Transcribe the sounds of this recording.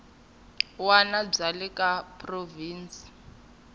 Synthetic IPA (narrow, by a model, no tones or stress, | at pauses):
wanab͡ʐalikʼapʼroviːnt͡sʼi̥